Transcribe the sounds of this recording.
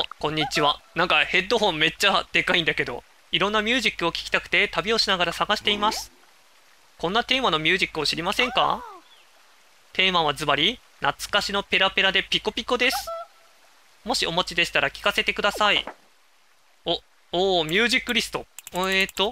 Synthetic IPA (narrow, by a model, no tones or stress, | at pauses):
kõ̞ɲ̟ːit͡ɕiβanãŋkahe̞d̪ːo̞ɦõ̞mːe̞t͡ɕːad̪̥e̞kaĩnd̪ake̞d̪o̞̰ | iɾõ̞nːamʲjɨ̟ːʑikːɯ̟o̞kʲi̥kʲi̥t̪akɯ̟̥t̪e̞t̪abʲio̞ɕinaɡaɾasaɡaɕi̥t̪e̞imasɨ̥ | kõ̞nːat̪e̞ːmano̞mʲjɨ̟ːʑikːɯ̟o̞ɕiɾʲimasẽ̞ŋka̰ | t̪ʰe̞ːmaβazɨbaɾʲi | nat͡sɨ̥kaɕino̞pe̞ɾape̞ɾad̪e̞pʲiko̞pʲikod̪e̞sɨ̥ | mo̞ɕio̞mo̞t͡ɕid̪e̞ɕi̥t̪aɾakʲi̥kase̞t̪e̞kɯ̟d̪asai | o | oːmʲjɨːʑikːɯ̟ɾʲisɨ̥t̪o̞et̪ːo̞